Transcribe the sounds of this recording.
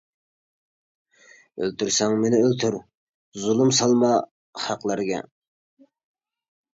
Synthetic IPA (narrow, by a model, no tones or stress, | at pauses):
ø̰lt̪ʰyɾsɛŋmenɪølt̪ʰyɾ | zulˠumsɑlˠmɑ | χɑqlˠɑɾɡɛ̰